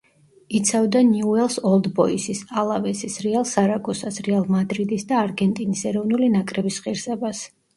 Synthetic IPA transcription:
it̪sʰavd̪aniuɛlˠsɔlˠd̪bɔisisalˠavɛsisɾɛalˠsaɾaɡɔsasɾɛalˠmad̪ɾid̪isd̪aːɾɡɛnt̪ʼinisɛɾɔvnulinakʼɾɛbisχiɾsɛbas

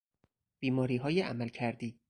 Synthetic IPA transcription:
b̥iːmɒːɾiːɦɒːjeʔæmælcʰæɾd̪iː

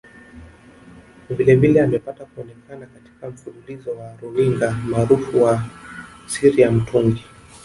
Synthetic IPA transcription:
vilɛvilɛamɛpatakuɔnɛkanakati̥kam̩fululizɔwaɾuiŋɡamaːɾufuwa | siɾijam̩tʰuŋɡi

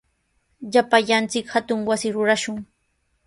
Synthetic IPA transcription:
ʎapaʎant͡sɪkhat̪ʊŋwasɪɾʊɾaʃʊŋ

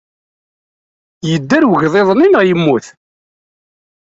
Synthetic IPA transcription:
jəd̪ːæɾwəʝðˤeðˤninəʁjəmːuθ

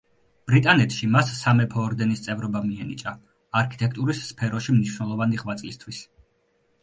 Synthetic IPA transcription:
b̥ɾit̪ʼanɛt̪ʰʃimasːamɛpʰɔːɾd̪ɛnist̪sʼɛvɾɔbamiɛnit͡ʃʼa | aɾkʰi̥t̪ʼɛkʰt̪ʼuɾisːpʰɛɾɔʃimniʃwnɛlˠɔvaniʁvat̪sʼlist̪ʰwis

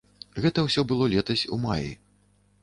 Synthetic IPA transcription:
ɣɛt̪ɐwsʲɔbɨlˠɔlʲɛt̪ɐsʲṵmajḭ

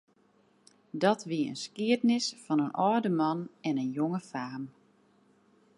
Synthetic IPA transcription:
dɔtʋiəə̰nskiətnɪsfɑnənʔɔːdəmɑnɛnənjoŋəfaːm

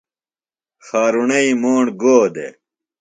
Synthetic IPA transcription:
xaːɾunɐimoːɳɡoːd̪ḛ

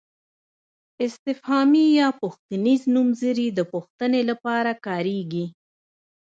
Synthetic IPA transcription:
ɪst̪ɪfhɑmijɑpʊxt̪iniznumzəɾid̪əpuxt̪ənelapɑɾakɑɾeɡi

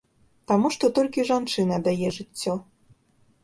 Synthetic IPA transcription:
t̪ɑmuʃt̪ot̪olʲkiʒɑnt͡ʃɨnɑd̪ɑjeʒɨtʲːo

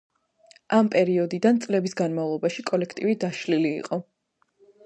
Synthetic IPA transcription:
ampʼɛɾiɔd̪id̪ant̪sʼlɛbisɡanmavlˠɔbaʃikʼɔlɛkʰt̪ʼivid̪aʃlilḭːqʼɔ

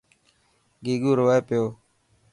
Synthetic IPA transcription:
ɡiːɡuːɾʋaːepɪjoː

